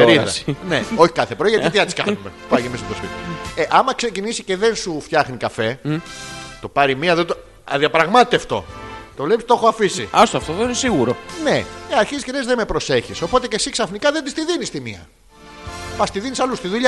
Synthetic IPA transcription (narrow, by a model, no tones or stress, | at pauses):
eɾiðɐneo̞çi̥kɐθepɾoiʝɐt̪it̪iɐt̪skɐ̰umepuɐjimist̪op̪ospit̪io̰eʔɐmɐksecinisice̞ðe̞nsuft̪çɐxnikɐfe̞ | t̪o̞pɐɾimiɐðet̪o | ɐðiɐpɾɐɣmɐt̪et̪eɐft̪o̞̰t̪o̞vlepist̪o̞xoɐfisiɐst̪oft̪oðeinesiɣuɾone̞eɐɾçizisceɾezðemepɾo̞se̞çiso̞po̞t̪e̞ce̞siksɐfnikɐðend̪ist̪iðinist̪imiɐ̰ | pɐst̪iðinisɐlust̪iðuʎɐ